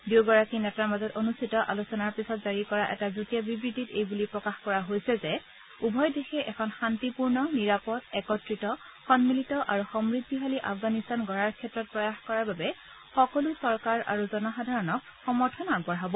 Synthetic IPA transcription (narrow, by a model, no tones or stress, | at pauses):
dewɡɔɹakinɛtaɹmazɔtonustʰitɔʔalusɔnaɹpisɔtzaɹikɔɹaʔɛ̰tazutijabibɹititejbulipɹɔkaxkɔɹaɦojsɛzɛ | ubʱɔjdexɛʔɛkʰɔnxantipuɹnɔniɹapɔtɛkɔtɹitɔ | xɔnmilitɔʔaɹuxɔmɹidʱːiɦaliʔa̰fɡanistanɡɔɹaɹkʰɛtɹɔt̚pɹɔjaxkɔɹaɹbabɛ | xɔkɔlusɔɹkaɹa̰ɹuzɔnɔxadʱaɹɔnɔk̚xɔmɔɹtʰɔnaɡbɔɹɦabɔ